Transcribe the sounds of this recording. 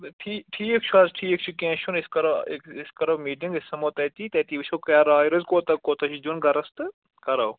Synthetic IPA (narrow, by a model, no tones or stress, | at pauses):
ʈʰiːʈʰiːek̚t͡ʃʰuazʈʰiːek̚t͡ʃʰukɛ̃ːʃʰunɪskɐɾɐekɪskɐɾɐmiːʈɪ̃ŋɡɪsːɐmoːt̪ɛːt̪iːt̪ɛːt̪iːʋit͡ʃʰoːkɐjaːɾaːɪɾɐzkoːt̪ɐkːoːt̪ɐʃʰd͡ʒunɡɐɾɐst̪ɨ | kɐɾɐw